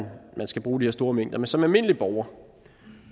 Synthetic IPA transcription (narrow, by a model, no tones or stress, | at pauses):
nmʔænsɡ̥æb̥ʁuːd̥iheɐsd̥o̝ːɐmeŋ̰d̥ɐmensɒ̽mælme̝n̰əlib̥ɒʊɐ